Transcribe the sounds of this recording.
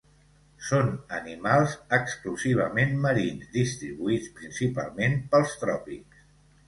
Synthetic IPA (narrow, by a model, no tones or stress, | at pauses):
sonə̰nimalˠzəkskluziβ̞əmenːəɾinzd̪ist̪ɾiβuit͡spɾinsipa̰lˠmenpəlˠst̪ɾɔpiks